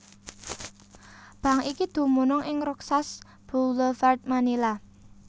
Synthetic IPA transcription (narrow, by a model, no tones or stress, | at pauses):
b̥ä̤ŋikid̪̥ṳmunɔŋɪŋɾɔksas | b̥uləfart̪̚manila